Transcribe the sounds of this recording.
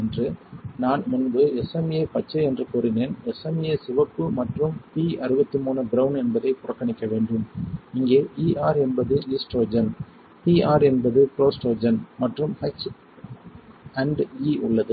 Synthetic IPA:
ɛndrɯnaːnmʊnbɯɛsɐmjepɐt͡ʃːɐɛndrɯkuːɾɪneːnɛsɐmɪjeːsɪʋɐpːɯmɐʈrɯmpiːɐɾɯbɐt̪ːimuːnɐɡɾɐʊnɛnbɐðɐɪpʊrɐkːɐɳɪkːɐʋeːɳɖɯmɪŋɡeːiːʔaːɾɛnbɐðɯiːsʈoːd͡ʒɐn | piːaːɾɛnbɐðɯpɪɾoːsʈoːd͡ʒɐnmɐʈrɯmɛks | ɐɳɖiːʊɭːɐðɯ

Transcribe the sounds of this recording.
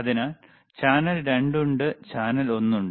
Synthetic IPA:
ɐðinaːl | t͡ɕaːnɐlɾe̞ɳɖuɳɖɨt͡ɕaːnɐlo̞nːuɳɖɨ

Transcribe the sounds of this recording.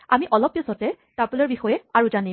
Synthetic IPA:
amiʔɔlɔpːisɔtɛ | taɹpɔlɔɹbixɔjɛaɹuzani

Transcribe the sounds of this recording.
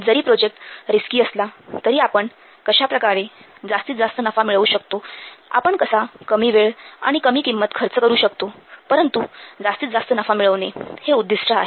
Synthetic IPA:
d͡zəɾiːpɾod͡ʑek̚ʈɾiskiːəslat̪əɾiːapəɳ | kəɕapɾəkaɾe | d͡zast̪iːtd͡zast̪ənəfamiɭəʋuːɕəkt̪oa̰pəɳkəsakəmiːʋeɭa̰ɽ̃ikəmiːkimːət̪kʰəɾt͡səkəɾuːɕəkt̪opəɾənt̪ud͡zast̪iːt̪d͡zast̪ənəfamiɭəʋneheud̪ːiʂʈʰaaɦe

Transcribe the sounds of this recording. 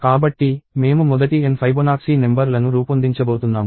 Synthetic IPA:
kaːbɐʈːime̞ːmumɔd̪ɐʈienpʰɐjbonaːksinembɐɾlɐnuɾuːpɐnd̪iɲt͡ʃɐboːt̪unːaːmu

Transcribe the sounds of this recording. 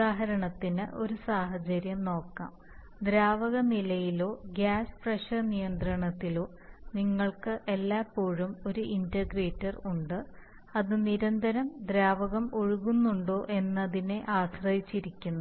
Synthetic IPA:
uaːɦɐɾɐɳɐt̪ːinɨ̰ʔo̞ɾusaːɦɐt͡ɕɐɾjɐmno̞ːkːa̰ːm | d̪ɾaːʋɐɣɐnilɐjilo̞ːɡaːspreʂɐrnijɐnd̪rɐɳɐt̪ːilo̞ː | niŋːɐɭkɨʔe̞lːaːpːo̞ːɻumo̞ɾuʔindɐɡreːtːɐruɳɖɨ | ɐðɨniɾɐnd̪ʱɐɾɐmd̪ɾaːʋɐɣɐmoɻuɣunːuɳɖo̞ːʔe̞nːɐðine̞ʔaːsrɐjit͡ɕːiɾikʲːunːu

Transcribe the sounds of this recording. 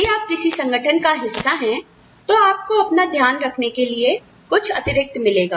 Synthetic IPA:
iaːp̚kɪsisɐ̃ŋɡəʈʰənkaɦɪsːaɦɛ̃ | t̪oaːp̚koɐpnad̪ʱjaːnɾɐkʰnekelie | kʊt͡ʃʰɐt̪ɪɾɪk̚t̪mɪleːɡaː

